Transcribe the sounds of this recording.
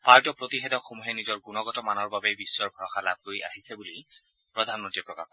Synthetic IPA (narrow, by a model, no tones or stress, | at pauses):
paɹtɔpɹotiɦɛtɔxomuɦɛnizɔɹɡunɔɡɔtɔmanɔɹbabɛbisːɔɹbʱɔɹɔxala̰b̚koja̰ɦisɛbuli | pɹɔd̪ʱanmɔntɹipɹɔkaxɔ